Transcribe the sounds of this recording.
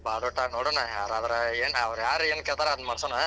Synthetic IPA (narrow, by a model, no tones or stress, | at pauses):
baːd̪oʈːanoːɽonajaːɾad̪ɐɾeeːnɐʋɾjaːɾeːnkeɭt̪aɾeɐd̪mɐɽsonɐ